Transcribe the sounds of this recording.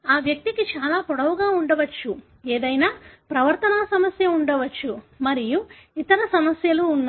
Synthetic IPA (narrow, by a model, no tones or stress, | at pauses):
aːʋjɐk̚t̪ikit͡ʃaːlaːpɔɽɐʋuɡaːuɳɖɐʋɐt͡ʃːu | eːd̪ɐjnaːpɾɐʋɐɾt̪ɐnaːsɐmɐsjɐuɳɖɐʋɐt͡ʃːumɐɾijuit̪ɐɾɐsɐmɐsjɐluːnːa